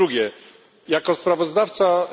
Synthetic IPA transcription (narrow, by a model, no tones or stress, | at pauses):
uɡʲjɛ | jakɔspɾavɔzd̪aft̪sa